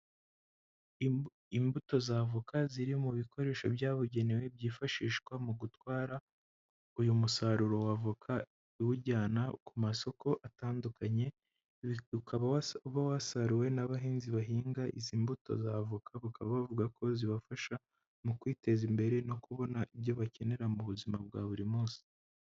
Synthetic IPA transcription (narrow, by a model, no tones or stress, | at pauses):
imbuto̞zavukaziɾimuβikʰo̞ɾe̞ːʃo̞̰bjaːβuɟe̞newe̞bjiːfaʃiːʃkwamuɡutwaːɾa | ujumusaɾuɾo̞wavukʰa | iwuɟaːnakumaso̞ko̞ʔataːndukaɲe̞ | ukʰaβawuβawasaɾuwe̞naβaɦiːnziβaɦiːŋɡaʔiziːmbuto̞̰zavukʰaβakaβaβavuɡako̞ziβafaʃa | mukwiːte̞zimbe̞ɾe̞no̞kuβo̞naʔiβɟo̞βace̞ne̞ɾamuβuzimab̚ɡa̰ːβuɾimuːsi̥